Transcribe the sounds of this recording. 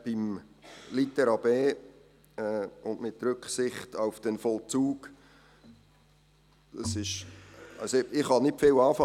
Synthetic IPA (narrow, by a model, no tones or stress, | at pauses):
b̥ɪmlit̪ɛɾɑbeː | ɛʊndmɪtrʏkχsɪχtaʊfd̥ɛnfɔlt͡suːɡ̥ | dɑsɪʃɑlsoɪχhɑnɪtfɪlɑːfɑ